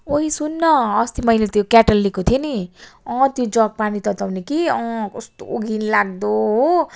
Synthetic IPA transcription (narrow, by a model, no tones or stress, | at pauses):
oisunːʌːst̪imʌjlet̪jokaʈʌlːikot̪ʰieniʌ̃t̪jod͡zʌɡ̚panit̪ʌt̪ʌwnikiɔ̃kɔst̪oo̰ɡinlaɡ̚d̪oɦ